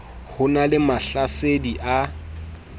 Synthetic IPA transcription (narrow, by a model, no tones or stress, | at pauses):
hʊnalɪmaɬasediʔa